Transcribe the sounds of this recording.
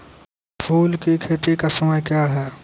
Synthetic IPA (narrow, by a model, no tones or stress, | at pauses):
pʰuːlkikʰeːʈ̪ikasɐməjkjaːɦɛː